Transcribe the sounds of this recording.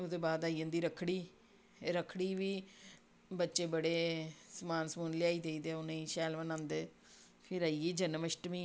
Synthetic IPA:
oːd̪eːbaːd̪aːiːə̃nd̪iːɾəkʰːɽiː | ɾəkʰɽiːʋiː | bətːʃeːbəɽeːsəmaːnsmuːnliaːiːd̪eiːd̪eːʊnẽʃɛːlʋənãːnd̪eː | pʰɪɾaːiiːd͡ʒənməʃʈəmiː

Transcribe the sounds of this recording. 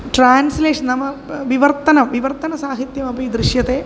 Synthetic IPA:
ʈraːnsleːʂɐnnːɐmːɐʋiʋɐrt̪ːɐnɐmʋiʋɐrt̪ɐnɐsaːɦit̪jɐmɐbiid̪ɾiʂjɐte

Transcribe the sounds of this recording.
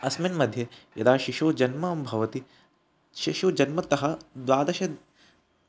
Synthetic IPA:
ɐsminmɐd̪ʱjɐjɐ̰d̪aːʃiʃoːd͡ʒɐnmɐmbʱɐʋɐt̪i | ʃiʃoːd͡ʒɐnmɐt̪ɐɦɐd̪ʋaːd̪ɐʃɐ

